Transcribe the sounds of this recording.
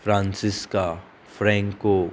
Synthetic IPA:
fɾãːnsɪska | fɾɛ̃ːŋkːo

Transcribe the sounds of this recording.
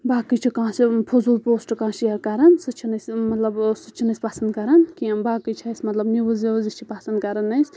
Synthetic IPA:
baːkɨt͡ʃʰikãːsipʰozolpoːsʈkãːʃijakɐɾɐnsɨt͡ʃʰinɐsʲmɐt̪lɐbsɨt͡ʃʰinɐsʲpasɐnd̪̚kɐɾankibaːkɨjt͡ʃʰasʲmɐt̪lɐbniʋəzizit͡ʃʰipasɐnd̪kɐɾɐnɐjsʲ

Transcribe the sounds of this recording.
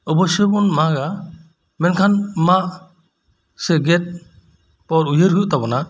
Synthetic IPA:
ɔbɔsɔbɔnmaɡa | mɛnkʰanmaʔ | sɛɡɛt̪̚ | pɔɾujəɾɦujuʔt̪abɔna

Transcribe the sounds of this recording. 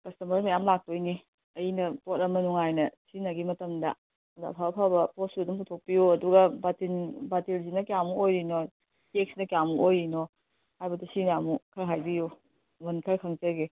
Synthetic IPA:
kɐstɐmɐɾmɐjamlak̚tojni | ɐjinɐpotɐmɐnuŋajnɐsinaɡimɐtɐmdɐ | dɐɐpʰabɐpʰabɐpostudumputʰok̚pijuɐduɡɐbatinbatilzinɐkjamuojɾino | tek̚snɐkjamuʔojɾinɔ | hajbɐtɐsinamukʰɐɾɦajbiju | bɐnkʰɐɾkʰɐŋt͡ʃɐɾɡe

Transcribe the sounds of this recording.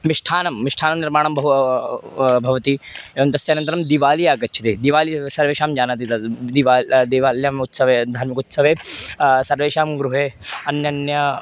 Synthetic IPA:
miʂʈʰaːnɐmːiʂʈʰaːnɐmniɾmaːɳɐmbɐɦu | bʱɐʋɐt̪ieʋɐnt̪ɐsjɐaːnɐnt̪ɐɾɐmd̪iʋaːlijaːɡɐtːt͡ʃʰit̪eːd̪iʋaːlisɐɾʋeːʃaːmd͡ʒaːnat̪̬it̪ɐd̪iʋaːd̪iʋaːljɐmut̪sɐʋeːd̪ʱaːɾmikut̪sɐʋeːsɐɾʋeːʃaːmɡɾuɦeːɐnjɐnjɐ

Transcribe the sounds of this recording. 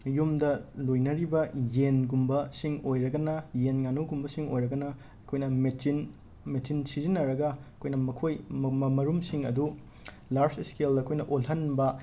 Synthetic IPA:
jumdɐlojnɐɾibɐjenɡumbɐsiŋojɾɐɡɐnɐjenŋanuɡumbɐsiŋo̰jɾɐɡɐnɐ | ɐkʰojnɐmein | metʰinsizinːɐɾɐɡɐɐkʰojnɐmɐkʰojmmɐmɐɾumsiŋɐdu | laɾzeskeldɐɐkʰojnɐʔolɦɐnbɐ

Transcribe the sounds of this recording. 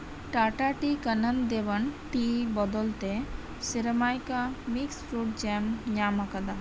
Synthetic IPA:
ʈaʈaʈikənənd̪ebənʈibɔd̪ɔlt̪e | siɾəmajkamiksɾuʈ̚d͡ʒɛmɲamakad̪a

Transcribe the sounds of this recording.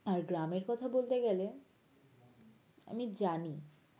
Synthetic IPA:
aɾɡɾameɾkɔt̪ʰabolt̪eɡɛle | a̰mid͡ʑani

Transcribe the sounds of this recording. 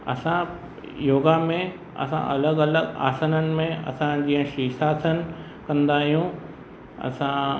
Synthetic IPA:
ɐ̰sã | joːɡamẽ | ɐ̰sã̰ʔɐ̰ləɡɐləɡa̰ːsənənɪ̆mẽɐ̰sãd͡ʑiːə̃ʃiːsaːsʰən | kɐ̃nd̪aːɦijũ | ɐ̰sã

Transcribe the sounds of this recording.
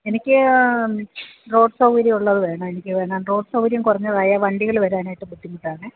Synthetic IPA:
e̞nikʲːɨ | ro̞ːɖsɐwʋɐɾjiuɭːɐðɨʋeːɳɐenikʲːɨʋe̞ːɳaːnro̞ːɖsɐwɐɾjɐmkurɐɲːɐðaːjaːʋɐɳɖiɣɐɭʋɐɾaːnaːjiʈːɨbud̪ːimːuʈːaːɳɨ

